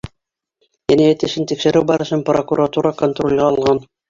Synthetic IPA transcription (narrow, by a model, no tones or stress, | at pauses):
ænæjæt̪ɘ̆ʃɘnt̪ikʃɘ̆ɾɘwbɑɾɤ̆ʃɤmprokuɾat̪uɾɑkont̪rolʲʁɑɑlˠʁɑn